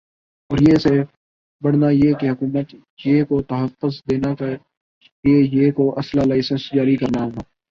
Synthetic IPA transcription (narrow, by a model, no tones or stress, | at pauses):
ɔːɾjeːse | bɐɽnajekeɦʊkuːmət̪ | jekot̪ɐɦəfːʊzd̪eːnaka | liejekoʔɐslalaːɪsə̃nsd͡ʒaːɾikɐɾnaɦɛː